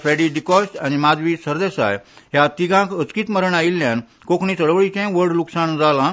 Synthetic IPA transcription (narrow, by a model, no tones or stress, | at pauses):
fɛɽiɖikɔsʈañimad̪ʋisəɾd̪esa̰jɦjat̪iɡãkət͡skiːt̪məɾəɳailːjãn | kokɳiːt̪əɽʋəɭit͡ɕɛ̃ʋəɾɽluksaɳd͡zalã